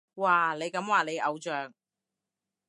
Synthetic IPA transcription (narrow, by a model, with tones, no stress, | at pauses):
waː˨˩le˨˧jkɐ˨˧˥mwaː˨ne˨˧jʔɐ˨˧wt͡ʃœː˨ŋ̚